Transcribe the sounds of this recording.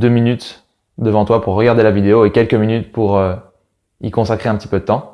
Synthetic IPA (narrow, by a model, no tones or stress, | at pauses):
d̪øminyt̪ | d̪əvɑ̃t̪wapuʁːəɡaʁd̪elavid̪eoekʲɛlkəminyt̪puʁø | ḭkɔ̃sakχeɛ̃pət̪ipød̪ət̪ɑ̃